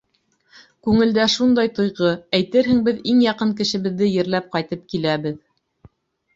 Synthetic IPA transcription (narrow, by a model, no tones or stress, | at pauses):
kʉŋɘ̆ld̪æʃund̪ɑjt̪ŏjʁɤæjt̪ɘɾɦɘ̆ŋbɘðiŋjɑqɤŋk̬ɘ̆ʃɘ̆βɘ̆ðːɘjɘ̆ɾlæp̚qɑjt̪ɤp̚kilæβɘð